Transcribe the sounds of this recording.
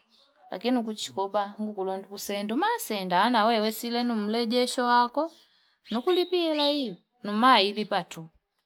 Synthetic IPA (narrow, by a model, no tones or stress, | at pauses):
la̰kinukut͡ʃi̥kɔbaŋɡukulɔndukusɛndumasɛndaːnawɛwɛsilɛnum̩lɛɟɛʃɔwakɔ | nukulipiɛlai | numailipatu